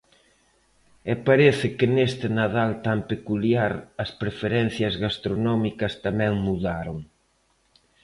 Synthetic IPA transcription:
ɛpaɾeθɪkɪnest̪ɪnaðalt̪ampekuljaɾɐspɾefeɾɛnθjɐzɣast̪ɾonɔmikɐst̪amɛ̃ŋmuðaɾoŋ

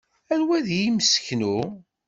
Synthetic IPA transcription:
ænwæðjiməsçnu

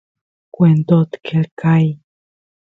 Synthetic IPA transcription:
kʷend̪ot̪kʰelkʰaj

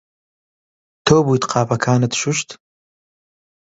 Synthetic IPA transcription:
t̪ʰoːbuːt̪qʰɑːpʰɐkʰaːnɨt̪ʃuʃt̪

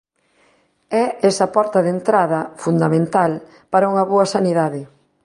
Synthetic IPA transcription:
ɛɛsɐpɔɾt̪ɐðent̪ɾaðɐfund̪amẽnt̪al | paɾauŋɐβoɐsaniðaðɪ

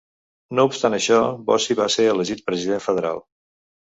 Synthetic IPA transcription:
noupst̪anəʃɔbɔsiβaseɾələʒit̪̚pɾəziðeɱfəðəɾa̰lˠ

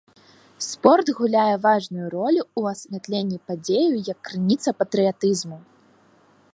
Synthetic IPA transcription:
spɔrt̪ɣulʲajɛvaʐnujuɾɔlʲuːɐsʲvʲat̪lʲenʲːipad͡zʲejujɐkːɾɨnʲit̪sɐpɐt̪ɾɨjat̪ɨzmu

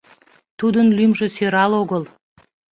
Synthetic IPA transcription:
t̪ud̪ənlʲymʒə̆søɾɑlˠoɣəlˠ

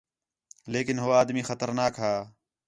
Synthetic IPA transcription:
leːkɪnɦoːaːd̪miːxət̪əɾnaːkɦaː

